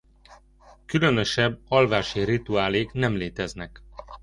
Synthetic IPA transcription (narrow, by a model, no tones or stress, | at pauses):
kylø̞nø̞ʃɛbːɒlvaːʃirit̪uaːleːknɛmleːt̪ɛznɛk